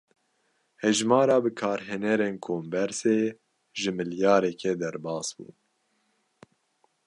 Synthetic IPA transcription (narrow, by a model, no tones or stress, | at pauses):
hɛʒmɑːɾɑːbɨkʰɑːɾɦɛnɛɾeːnkʰoːmbɛɾseː | ʒɨmɨljɑːɾɛkʰɛd̪ɛɾbɑːsbṵː